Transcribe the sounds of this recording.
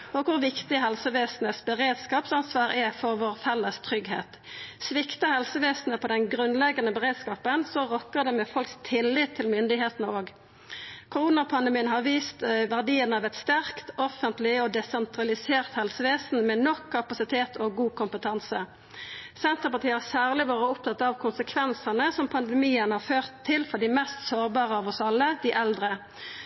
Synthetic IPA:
ɔkʰʊʁʋɪkt̪ɪɦɛlsəʋeːsn̩əsbəʁeːd̪skɑːpsɑnsʋɑːʁɛfɔʁʋoːʁfɛlːəst̪ʰʁʏɡhḛːt̪ | sʋɪkt̪əhɛlsəʋeːsn̩əpʰɔːd̪ɛnɡʁʉnlɛɡɑnəbəʁeːd̪skɑːpənsɔʁɔkːəʁd̪ɛmɛfɔlkst̪ʰɪlːɪt̪ʰːɪlmʏnd̪ɪɦeːt̪nəoːɡ | kʰʊʁuːnɑpʰɑnd̪əmiːənɦɑʁʋiːst̪ʋæʁd̪iːənəɑːʋɛt̪st̪æʁkt̪ɔfənt̪lɪɔd̪ɛsɛnt̪ʁɑlɪseːʁt̪hɛlsəʋeːsn̩mɛnɔkʰːɑpɑsɪt̪ʰeːt̪ʰɔɡuːkʰʊmpət̪ʰɑnsə | sɛnt̪ʁəpɑʁt̪iːəhɑsæːʁlɪʋɑːʁəʊp̚t̪ʰɑt̪ːɑʋkʰʊnsəkʰʋɛnsənəsɔmpʰɑnd̪ɛmiːənhɑːʁføːʁt̪ʰːɪlfɔʁɖ̪ɪmɛst̪soːʁbɑːʁəɑʋɔsɑlːəd̪ɪʔɛld̪ʁə

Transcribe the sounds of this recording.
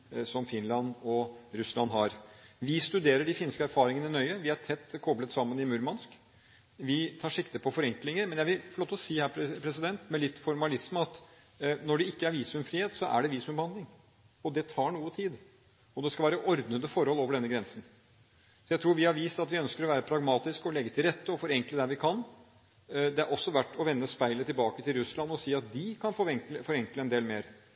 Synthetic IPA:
sɔmfɪnlɑnɔɾʉslɑnɦɑɾʋɪst̪ʉd̪eːɾəɖɪfɪnskəæɾfɑːɾɪŋənəɪnœʏəʋɪæʈʰɛt̪ːkʰɔblət̪sɑmːənɪmʉɾmɑnsk | ʋɪt̪ʰɑːʂɪkt̪əpʰɔfɔɾɛŋklɪŋəɾmɛnjæʋɪlfɔɭoːt̪ːɔsiːhæːɾpʰɾɛsɪd̪ɛnt̪mɛlɪt̪ːfɔɾmɑlɪsməɑt̪ | nɔɖɛɪkːəæɾʋiːsʉmfɾiːeːt̪sɔʔæ̰ɖɛʋiːsmʉmbəhɑnd̪lɪŋ | ɔd̪ɛt̪ʰɑːɳuːət̪ʰiːd̪ | ɔd̪ɛskɑʋæːɾəʔɔɾd̪nəd̪əfɔɾhɔloːʋəɖɛnːəɡɾɛnsən̩ | sɔjæɪt̪ʰɾuːɾʋɪhɑɾʋiːst̪ɑt̪ʋɪœnskəɾɔʋæːɾəpʰɾɑɡmɑːt̪ɪskɔlɛɡːət̪ʰɪlɾɛt̪ːəɔfɔɾɛŋkləd̪æʋɪkʰɑn | d̪ɛæɾʔɔsːɔʋæʈːɔʋɛnːəspæɪlət̪ɪlbɑːkət̪ɪlɾʉslɑnːɔsiːɑt̪̚d̪ɪkʰɑnfɔɾɛŋkləfɔɾɛŋkləɛnd̪eːlmeːɾ

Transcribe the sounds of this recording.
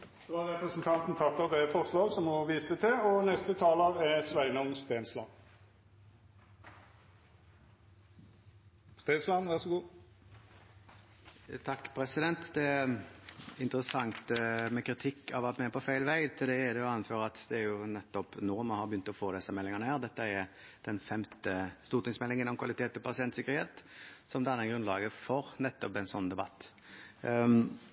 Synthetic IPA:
d̪̥oæʁɾɛpɾəsnt̪ʰɑnt̪n̩t̪ʰɑpːəʁd̪ɛfɔʁslɑːɡsɔmhɔʋiːst̪ət̪ʰɛɔnɛst̪ət̪ʰɑːlɑʋɛsʋæɪnɔmst̪eːnslɑ̰n | st̪eːnslɑnʋæʁsɡuː | t̪ʰɑkːpʰɾɛsɪd̪ɛnt̪d̪ɛ | ɪnt̪əɾəsɑŋt̪mɛkɾɪt̪ʰɪkːɑʋɑt̪mɛɛpʰɔfæɪlʋæɪt̪ʰɪld̪ɛːd̪ɛjʊɑnføːɾəɑt̪d̪ɛæɾjʊnɛt̪ːɔpnɔʁmɑnhɑɾbjʏnt̪ɔfoːd̪ɛsːəmɛlːɪŋənəhæːʁd̪ɛt̪ːəɛɾ | d̪̥ɛnfɛmt̪əst̪uːʁt̪ɪŋsmɛlːɪŋənɔmkʰʋɑlɪt̪ʰeːt̪ːɪlpʰɑsɪɛnt̪sɪkːəɾheːt̪sɔmd̪ɑnːɛɡʁʉnlɑːɡəfɔɾnɛt̪ːɔpɛnsɔn̩ːd̪ɛbɑ̰t̪ː

